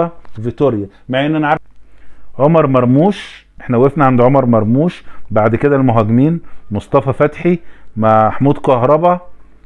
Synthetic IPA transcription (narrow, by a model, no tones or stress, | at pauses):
vit̪oɾjæ | maʕʔenːænʕaɾˤ | ʕomɑɾˤmɑɾˤmuːʃʔeħnæʔwefnæʕand̪ʕomɑɾˤmɑɾˤmuːʃbaʕd̪ked̪ælmoɦæɡemiːnmosˤt̪ˤɑfɑfæt̪ħimaħmuːd̪kɑhɾˤɑbɑ